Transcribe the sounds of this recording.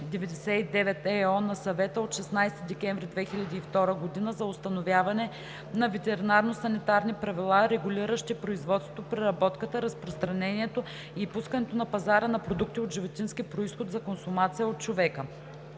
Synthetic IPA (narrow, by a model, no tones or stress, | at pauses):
d̪ɛvɛd̪ɛsɛid̪ɛvɛt̪ɛɔnɐsɐvɛt̪əot̪ʃɛsnajst̪id̪ɛkʲɛɱvɾid̪vɛxilʲɐd̪iːft̪ɔɾəɡod̪inəzɐost̪ɐnovʲjavɐnɛ | nɐvɛt̪ɛɾinaɾnosɐnit̪aɾnipɾɐvilˠaɾɛɡʊlʲiɾəʃt̪ipɾoizvɔt̪st̪vot̪opɾɛɾɐbɔt̪kət̪əɾɐspɾost̪ɾɐnɛniɛt̪o | ipuskɐnɛt̪onɐpɐzaɾənɐpɾod̪uk̚t̪iot̪ʒivot̪inskipɾoisxot̪zɐkonsʊmat̪sijəot̪̚t͡ʃovɛkə